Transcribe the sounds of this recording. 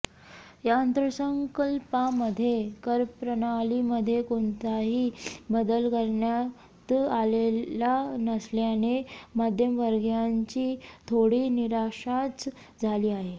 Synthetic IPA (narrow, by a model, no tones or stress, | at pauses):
jaənt̪ɾəsəŋkəlpaməd̪ʱːjekəɾpɾənaliməd̪ʱːjekoɳt̪aɦiːbəd̪əlkəɾɳja | t̪alelanəsljanemad̪ʱjəmʋəɾɡjaɲt͡ɕiːt̪ʰoɽiːniɾaɕat͡s | d͡zʱaliːaɦe